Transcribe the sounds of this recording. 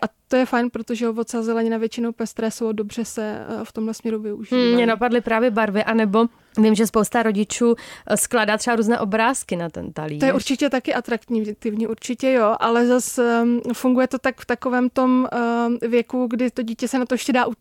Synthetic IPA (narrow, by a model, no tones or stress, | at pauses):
ʔat̪ojɛfajnpɾo̞t̪oʒɛovot̪sazɛlɛɲɪnavjɛt͡ʃɪnowpɛst̪ɾɛːsowdo̞br̝̥ɛsɛft̪o̞mɦlɛsmɲɛɾuvɪuʒiːmɲɛnapadlɪpɾaːvjɛbaɾvɪʔanɛbo̞ | vɪmʒɛspowst̪aɾo̞ɟɪt͡ʃuːsklaːdaːt̪r̥ɛbaɾuːznɛ̰ːʔo̞bɾaːskɪnat̪ɛ̰nt̪alijɛuɾt͡ʃɪcɛt̪akɪʔat̪ɾaktɲit̪ɪvɲiːʔuɾt͡ʃɪcɛjo̞ʔalɛzasfuŋɡujɛt̪o̞t̪akft̪ako̞vɛːmt̪o̞m | vjɛkuɡdɪt̪o̞ɟiːcɛsɛnat̪ojɛʃcɛdaːʔu